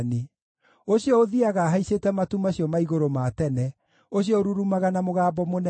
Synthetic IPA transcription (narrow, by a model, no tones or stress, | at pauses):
ne | oɕiɔoðiaɣaɦaisetɛmatumaɕiɔmaiɣoɾomatɛnɛ | oɕjɔoɾuɾumaɣanamoɣaːbɔmonɛ